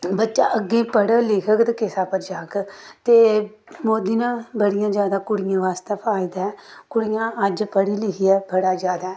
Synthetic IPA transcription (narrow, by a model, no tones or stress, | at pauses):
bətːʃaːʔəɡːẽːpəɽlɪːkʰəkt̪ːkɪsaːpəɾd͡ʒaːkt̪eː | moːd̪iːnãːbəɽɪjãːd͡ʒjaːd̪aːkʊɽɪjãːʋaːst̪aːpʰaːɪd̪aːɛːkʊɽɪjãːəd͡ʒpəɽiːlɪkʰijɛːbəɽaːd͡ʒaːd̪aːɛː